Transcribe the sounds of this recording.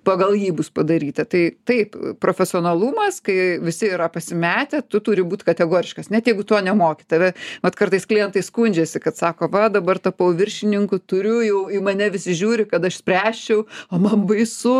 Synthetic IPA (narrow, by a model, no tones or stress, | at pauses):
pɐɡɐlˠjiːbʊspɐd̪ɐɾʲiːt̪ɐt̪ɐɪt̪ɐɪppɾoːfʲɛsʲɪoːnɐlˠuːmɐskɐɪʋʲɪsʲɪiːɾɐpɐsʲɪmʲæːt̪ʲɛt̪ʊt̪uːɾʲɪbuːt̪ʲkɐt̪ʲɛɡoːɾʲɪʃkɐsnʲɛt̪jɛɪɡʊt̪oːnʲɛmoːkʲɪt̪ɐʋʲɛʋɐt̪kɐrt̪ɐɪsklʲɪjɛnt̪ɐɪskʊnʲd͡ʒʲɛsʲɪkɐt̪sɑːkoːʋɐd̪ɐbɐrt̪ɐpɐʊʋʲɪrʲʃʲɪnʲɪŋkʊt̪ʊɾʲʊjɛʊɪmɐnʲɛʋʲɪsʲɪʒʲuːɾʲɪkɐt̪ɐʃsʲpʲrʲæːʃʲt͡ʃʲɛʊoːmɐmʋɐɪsʊ